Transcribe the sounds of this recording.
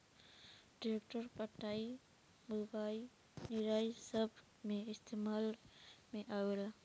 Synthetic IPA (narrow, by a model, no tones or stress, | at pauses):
ɖiɾekʈəɾpaʈːai | mubaj | niɾajsəbʱ | meɪst̪ʰemalmeʔawela